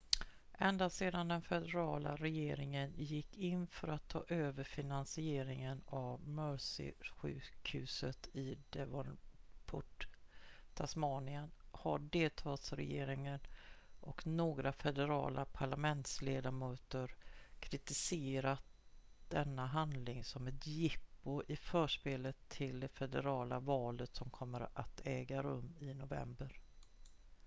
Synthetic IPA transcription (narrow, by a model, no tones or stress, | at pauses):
ʔɛnd̪aseːd̪and̪ɛnfɛd̪ɛɾɑːla̰ɾɛjeːɾɪŋənjɪkːɪnfœɾat̪ʰːɑːʔøːvəɾfɪnansɪeːɾɪŋənavmœʂɪ̰ɧʉ̟̰ːkhʉ̟ːsət̪ɪd̪ɛvaɾpʰʊ̰ʈ | t̪ʰasmɑːnɪənhaɖeːlt̪ʰɑːlsɾɛ̰jḛːɾɪŋənʔɔknoːɡɾafɛd̪ɛɾɑ̰ːlʔapʰaɭamɛnt̪sleːd̪amøːt̪əɾkʰɾɪt̪ɪseːɾat̪̚d̪̥ɛnːaɦand̪lɪŋsɔmɛt̪jɪpːʊʔɪfœːʂpeːlət̪ʰːɪld̪ɛfɛd̪ɛɾɑːla̰vɑːlət̪sɔmkʰɔmːəɾat̪ʰɛːɡaɾɵ̰mːɪnʊvɛ̰mbəɾ